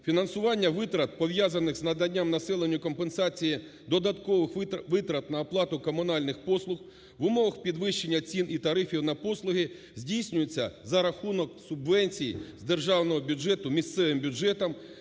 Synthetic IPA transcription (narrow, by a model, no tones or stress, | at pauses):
fʲinɐnsʊʋɑnʲːɐʋɪt̪ɾɐt̪̚pɔʋjazɐnɪxznɐd̪ɐnʲːamnɐsɛlˠenʲːʊkɔmpensɑt͡sʲiji | d̪ɔd̪ɐt̪kɔʋɪxʋɪt̪ɾɐt̪nɐːplˠɑt̪ʊkɔmʊnɑlʲnɪxpɔslˠʊx | ʋʊmɔʋɐxpʲid̪ʋɪʃt͡ʃenʲːɐt͡sʲinʔit̪ɐɾɪfʲiwnɐpɔslˠʊɦɪ | zʲdʲijsʲnʲʊjet͡sʲːɐzɐɾɐxunɔksʊbʋɛnʲt͡sʲijḭzd̪erʒɑwnɔɦɔbʲʊd͡ʒɛt̪ʊmʲist̪sɛʋɪmbʲʊd͡ʒɛt̪ɐm